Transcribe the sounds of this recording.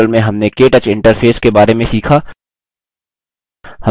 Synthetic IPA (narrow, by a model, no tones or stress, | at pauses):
əlmẽɦɐmnekeːʈət͡ʃɪ̃ɳʈəɾfʰeːskebaːɾemẽsiːkʰaː | hɐ